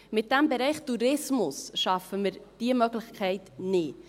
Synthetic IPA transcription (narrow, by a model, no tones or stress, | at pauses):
mɪt̚d̥æmbɛɾɛɪχtuɾɪsmʊsʃɑfəməɾd̥iəmœɡlɪçkʰχɛɪtnɪ